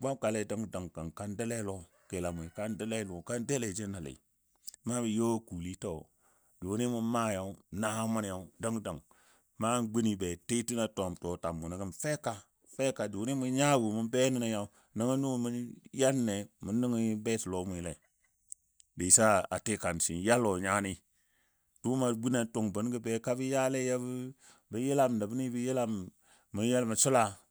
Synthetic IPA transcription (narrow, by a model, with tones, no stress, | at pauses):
ɡ͡ba˦mka˨le˦da˦ŋ˦da˨ŋka˨nka˦nde˦le˦lo˦ | ke˨la˨mu˨ka˦nde˦le˦lu˨ka˦nde˦le˨d͡ʒe˦nːa˨lḛ˨ | ma˦bi˨jo˦ku˨li˦to˦˨ | du˨˦ni˦mu˦ma˦ja˨u˦na˦ha˦ma˦n˦ja˦u˦da˦ŋ˦da˨ŋ | ma˦ɡ͡bi˦ni˨be˨te˦ti˦na˦to˨mto˨ta˨mːu˨na˨ɡə˦nfe˦ka˨ | fe˦ka˨du˨˦ni˦mu˦ɲa˦wu˨mu˦nbe˦ni˦na˦ja˦u˦ | nə˦ŋə˦nu˦˨mu˦nja˦lne˨mu˨nːi˦ŋi˦be˦ti˨lo˨˦mu˨ji˨le˨ | be˨sa˦a̰˨te˦ka˨n˨si˨nja˦lo˨ɲa˦ni˦ | tu˦ma˨ɡ͡bi˦ne˨to˨ŋbə˨˦n˦ɡə˦be˨ka˦bi˦ja˦le˦ja˦b | bə˨˦je˦la˦m˨na˨bu˦ni˦bi˦je˦la˦m | mə˨˦ja˦lma˨t͡ʃu˦la˨